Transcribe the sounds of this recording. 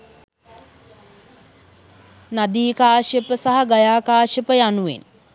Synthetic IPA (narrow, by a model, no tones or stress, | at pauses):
nad̪iːkaːʃjəpəsaɦɐɡajaːkaːʃjəpəjanuʋḛn